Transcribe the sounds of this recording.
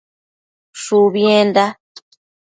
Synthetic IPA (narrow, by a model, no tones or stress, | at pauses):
ʂuβjend̪a